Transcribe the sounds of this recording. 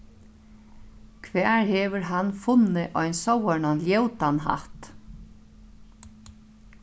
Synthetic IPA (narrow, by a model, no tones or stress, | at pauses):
kʰʋɛːɹhɛːʋʏɹɦanfʊnːɪʔɔjnsɔwɛɳanljɛwt̪anɦa̰ht̪